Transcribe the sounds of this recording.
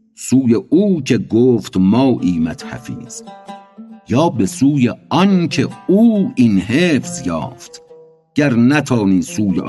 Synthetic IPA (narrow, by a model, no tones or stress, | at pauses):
suːjeʔuːkʰeɡoːft̪mɒːʔiːmæt̪hæ̰fḭːz̥ | jɑːbesuːjeɒnkʰeuːinɦeːfz̥jɑ̰ːft̪ | ɡ̥æɾnæt̪ʰɒːniːsuːjeʔ